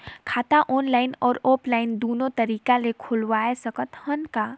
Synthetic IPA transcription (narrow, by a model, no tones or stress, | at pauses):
kʰaːt̪aʔɔːnlaːɪnɔːɾoːplaːɪnd̪oːnõt̪ɐɾiːkalekʰʊlwaːesɐkət̪hənkaː